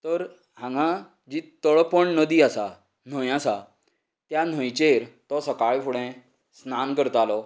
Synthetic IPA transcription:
t̪əɾ | ɦãŋɡã | d͡ʑiːt̪əɭpəɳnəd̪iːasa | n̤ə̃jasa | t̪jan̤ə̃jt͡ɕeɾt̪ɔsəkaɭfʰuɽɛ̃ | snankəɾt̪alɔ

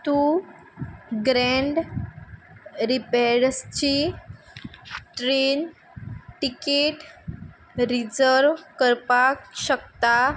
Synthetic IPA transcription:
t̪u | ɡɾeɳɖ | ɾipeɾəst͡ɕi | ʈɾen | ʈikeʈ | ɾid͡zəɾʋkəɾpakɕəkt̪a

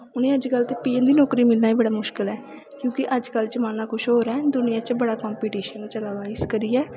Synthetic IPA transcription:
ʊnẽːəd͡ʒkəlt̪eːpiːənd̪iːnɔːkɾiːmɪlnaːiːbəɽaːmʊʃkɪlɛː | kjõːkɪʔəd͡ʒkəlt͡ʃəmaːnãːkʰʊʃɦoːɾɛːd̪ʊnɪjãːt͡ʃbəɽaːkɔːmpiːʈiːʃənt͡ʃəlaːʋaːɪskəɾiːɛː

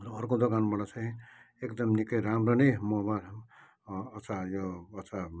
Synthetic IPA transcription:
ɾʌːrkod̪ʌkanbʌɽat͡sʰãĩ | ekd̪ʌmnikʌjɾamɾʌnemɔbalː | t͡sʰajoʌt͡sʰa

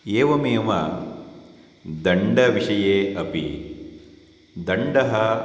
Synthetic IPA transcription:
eːʋɐmeːmɐ̰ | d̪ɐɳɖɐʋiʂɐjeːɐpḭ | d̪ɐɳɖɐɦɐ

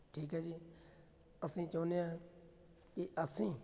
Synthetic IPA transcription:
ʈʰiːkaːd͡ʒiː | əsĩːt͡ʃəʋnɪjãː | kiʔəsĩː

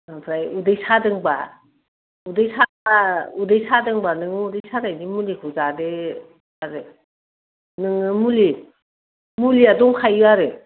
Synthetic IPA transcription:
apʰɾajudɯjsʰadɯŋba̰ | udɯjsʰa | audɯjsʰadɯŋbanɯŋɯudɯjsʰadajzimulikʰuzadɯ | aɾɯ | nɯŋɯmuli | muliadɔŋkʰajɯaɾɯ

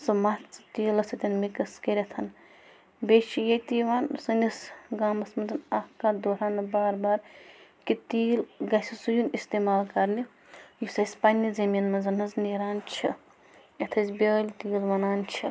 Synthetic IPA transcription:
sɐmɐt͡st̪iːlɐsɐt̪ʲɐnmikɐskeɾʲɐt̪ʰɐn | bet͡ʃʰijet̪iʋaːnsɐnisɡaːmɐsmɐnzɐnahkad̪oɾaːnɐbaːɾbaːɾkit̪iːlɡɐsʲisujunist̪eːmaːlkɐɾni | jisɐsʲpanːizɐminmɐnzɐnɐzneɾaːnt͡ʃʰi | et̪ʰɐzʲbʲeːlʲt̪ilʋɐnaːnt͡ʃʰi

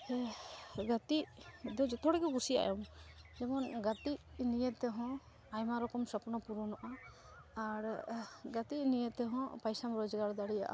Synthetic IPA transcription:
ɛɡat̪iʔd̪ɔd͡ʒɛt̪ɔɽɛɡɛɡusia̰jɔmd͡ʒɛmɔnɡat̪iʔnijɛt̪ɛɦɔ̃ | ajmaɾɔkɔmsɔpnɔpuɾunɔʔa | aɾɡat̪inijɛt̪ɛɦɔ̃pajsamɾɔd͡ʒɡaɾd̪aɽija̰ʔa̰

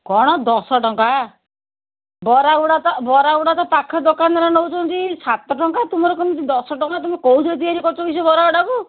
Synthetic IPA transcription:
kɔɽ̃ɔd̪ɔsɔʈɔŋka | bɔɾaɡɔɽat̪ɔbɔɾaɡuɽat̪ɔpakʰɔd̪ɔkanɔɾanɔut͡ʃɔnt̪isat̪ɔʈɔŋkat̪umɔɾɔkɔnɔt̪id̪ɔsɔʈɔŋkat̪umɔkowd͡ʒɔt̪iaɾikɔt͡ʃɔbis̬ɔjbɔɾaɡɔɽaku

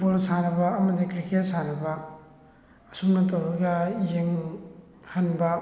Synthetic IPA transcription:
polsanɐbɐɐmɐdikɾiket̚sanɐbɐ | sumnɐtowbɐɡɐjeŋ | hɐnbɐ

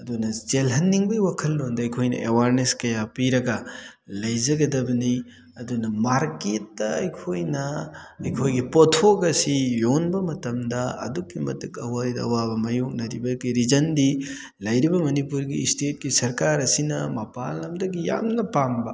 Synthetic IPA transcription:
ɐdunɐd͡ʒelɦɐnːiŋbɐjwakʰɐlːondɐɐjkʰojnɐ̰ʔewaɾneskɐjapiɾɐɡɐ | lɐjzɐɡɐdɐbɐni | ɐdunɐmaɾket̚dɐɐjkʰojnɐɐjkʰojɡipotʰoɡɐsijonbɐmɐtɐmdɐɐ̰dukːimɐtukɐwaɾidɐɐwabɐmɐjok̚nɐɾibɐɡiɾizɐndi | lɐjɾibɐmɐnipuɾɡistet̚ɡisɐɾkaɾɐsinɐ̰mɐpalnɐmdɐɡija̰mnɐpambɐ

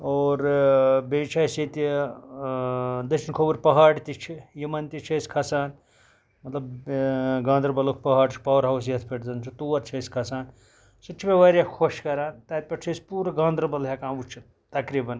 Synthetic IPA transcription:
oːɾbeːt͡ʃʰaːjsit̪i | d̪ɐt͡ʃinkʰobuɾʲpɐɦaːɽt̪it͡ʃʰijimɐnt̪it͡ʃʰɐskʰɐsaːn | mɐt̪lɐb | ɡãːnd̪ɾɐbɐlokʰpɐɦaːɽt͡ʃʰi̥pɐʋɐɾɦɐws̬jɐt̪ʰpʰeʈzɐnt͡ʃʰɐt̪uːʋɐɾt͡ʃʰɐskʰɐsaːn | sɐt͡ʃʰipeʋaɾjakʰoʃkɐɾaːnt̪ɐːt̪̚pʲɐʈt͡ʃʰɐspuːɾɐɡãːnd̪ɾɐbɐlɦakãːʋut͡ʃʰi | t̪ɐkɾibɐn

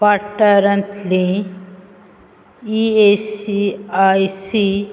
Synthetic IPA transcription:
paʈːəɾɐ̃nt̪ʰlĩ | iesiajsi

